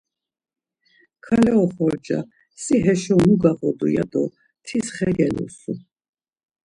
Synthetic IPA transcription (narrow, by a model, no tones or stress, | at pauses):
kʰalɛɔχɔɾd͡ʒa̰ | siɦɛʃɛunuɡaʁɔd̪uja̰d̪ɔ | t̪ʰisχɛɾɛlṵsu